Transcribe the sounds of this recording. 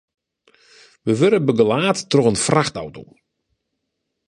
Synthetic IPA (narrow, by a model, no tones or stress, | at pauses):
ʋəʋøɾəbəɡəlaːtːroɣənfraxta̰wto̰